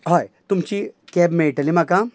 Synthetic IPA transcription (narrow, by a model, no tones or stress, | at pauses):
ɦoːjt̪ʊmt͡ʃikɛːbmẽʈɐlimaka